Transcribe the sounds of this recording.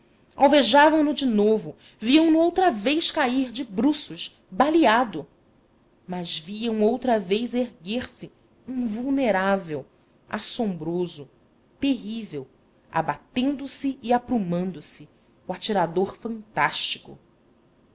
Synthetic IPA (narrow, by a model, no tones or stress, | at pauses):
awveʒavɐ̃w̃nʊd͡ʒɪnovʊ | viɐ̃w̃nʊowt̪ɾɐvejʃkaiɾd͡ʒɪbɾusʊʃ | baliad̪ʊ | mɐzviɐ̃w̃owt̪ɾɐvejzeɾɡeɾsɪ | ĩŋvuwneɾavew | a̰sõmbɾozʊ | t̪eɦivew | a̰bat̪ẽnd̪ʊsɪːapɾumɐ̃nd̪ʊsɪ | wat͡ʃiɾad̪oχfɐ̃nt̪aʃt͡ʃikʊ̰